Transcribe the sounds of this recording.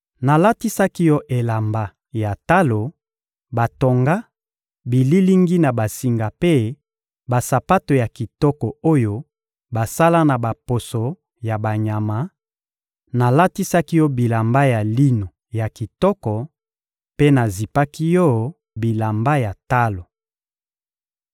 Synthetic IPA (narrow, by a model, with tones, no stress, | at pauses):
na˨la˦ti˦sa˦ki˦jɔ˦ʔe˨la˨mba˦ | ja˨ta˦lo˨ | ba˨to˨ŋɡa˦ | bi˨li˦li˦ŋɡi˦na˨ba˨si˦ŋɡa˨pe˦ | ba˨sa˨pa˦to˨ja˨ki˨tɔ˦kɔ˨o˦jo˦ | ba˨sa˦la˦na˨ba˨po˨so˨ | ja˨ba˨ɲa˨ma˨˦ | na˨la˦ti˦sa˦ki˦jɔ˦bi˨la˨mba˦ja˨li˦no˨ | ja˨ki˨tɔ˦kɔ˨ | pe˦na˨zi˨pa˦ki˦jɔ˦ | bi˨la˨mba˦ja˨ta˦lo˨